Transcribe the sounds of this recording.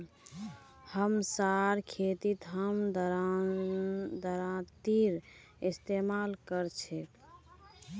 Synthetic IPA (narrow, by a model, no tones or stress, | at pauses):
həmsaɾkʰet̪it̪ɦəmd̪ɾ | d̪əɾãt̪iɾ | est̪emalkəɾt͡ʃʰɛt̪